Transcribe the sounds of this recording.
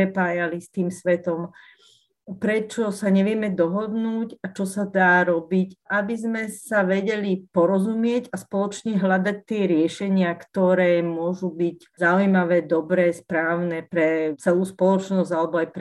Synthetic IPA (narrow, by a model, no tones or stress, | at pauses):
ɾɛpaːjalist̪iːmsʋɛt̪ɔm | pɾɛt͡ʃɔsaɲɛʋɪɛmɛd̪ɔɦɔd̪nuːcat͡ʃɔsad̪aːɾɔbicʔabizmɛsaʋɛɟɛlipɔɾɔzumɪɛɟaspɔlɔt͡ʃɲɛɦlad̪ac̚t̪ɪɛɾɪɛʃɛɲɪakt̪ɔɾɛːmʊɔʒubiɟ | zaujmaʋɛːd̪ɔbɾɛːspɾaːʊnɛpɾɛt͡sɛluːspɔlɔt͡ʃnɔzɟalɛbɔajpɾ